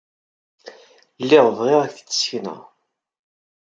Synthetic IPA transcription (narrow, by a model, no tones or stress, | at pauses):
lːiʁvʁiʁæθt͡sːə̥sçnə̰ʁ